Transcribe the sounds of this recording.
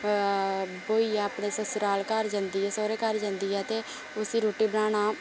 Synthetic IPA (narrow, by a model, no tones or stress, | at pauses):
boːiːpɳeːsəsɾaːlkəɾd͡ʒãːnd̪iːɛːsoːɾeːkəɾd͡ʒãnd̪iːɛːt̪eː | ʊsiːɾoːʈiːbənaːɽaː